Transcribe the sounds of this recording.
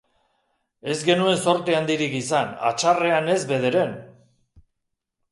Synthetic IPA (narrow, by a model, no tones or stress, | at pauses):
e̞zɡe̞nue̞nso̞ɾt̪eand̪iɾikisana̰t͡ʃare̞ane̞zβe̞ð̞e̞ɾe̞n